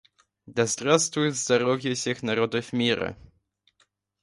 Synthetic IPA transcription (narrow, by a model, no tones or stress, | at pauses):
d̪azd̪ɾast̪ujzd̪aɾɔvʲjɛɕɛxnaɾɔd̪ɘfmʲiɾɘ̰